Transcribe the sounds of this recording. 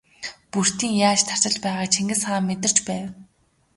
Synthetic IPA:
pur̥t̪iːŋjaːt͡ɕt̪ʰar̥t͡ɕɪ̆ɮpæːʁaːkt͡ɕʰeŋɡɘ̆sχaːmːet̪ɪ̆r̥t͡ɕpæːw

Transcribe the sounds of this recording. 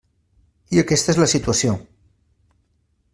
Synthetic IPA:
iəkɛst̪əezləsit̪uəsio

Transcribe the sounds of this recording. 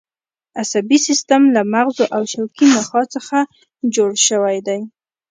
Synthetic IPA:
asabisist̪amlamaɣzoʔawʃawkinaxɑt͡səxa | d͡ʒoɽʃəwajd̪aj

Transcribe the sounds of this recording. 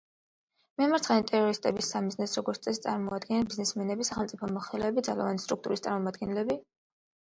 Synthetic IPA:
mɛamaɾt̪sʰvɛnit̪ʼɛɾɔɾist̪ʼɛbisamiznɛsɾɔɡɔɾt̪sʼɛst̪sʼaɾmɔad̪ɡɛnɛnbiznɛsmɛnɛbisaχɛlˠt̪sʼipʰɔmɔχɛlɛbid̪zala̰vanist̪ʼɾuk̚t̪ʼuɾist̪ʼa̰ɾmɔmad̪ɡɛnlɛbi

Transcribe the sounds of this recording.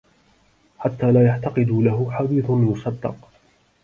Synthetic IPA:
ħat̪ːaːlaːjaʕt̪ɑqɨd̪uːlaɦʊħad̪iːθʊjʊsˤɑd̪ːɑ̰q

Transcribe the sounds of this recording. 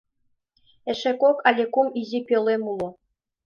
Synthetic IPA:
ĕʃekokalʲekumizʲipʲĕlˠemulˠŏ

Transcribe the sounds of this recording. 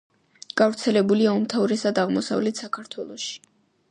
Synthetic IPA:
ɡ̥avɾt̪sʰɛlɛbuliaumt̪ʰavɾɛsad̪aʁmɔsa̰vlɛt̪ʰsakʰaɾt̪ʰwɛlˠɔʃi̥

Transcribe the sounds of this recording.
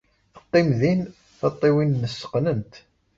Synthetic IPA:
θə̥qːɪmðin | θɑt̪ˤːiwinːəsːə̥qnənt̪

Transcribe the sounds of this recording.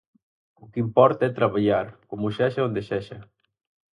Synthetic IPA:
ʊkimpɔɾt̪aɛt̪ɾaβaʎaɾkomuʃɛʃaond̪eʃɛʃɐ

